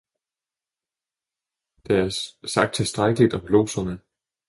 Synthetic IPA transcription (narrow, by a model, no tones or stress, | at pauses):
d̥ɑæɐsɑ̈ɡ̥d̥̚t͡sʰe̝lsd̥ʁaɡ̥əlid̥ɒ̽mb̥lo̝̰ːsɐnə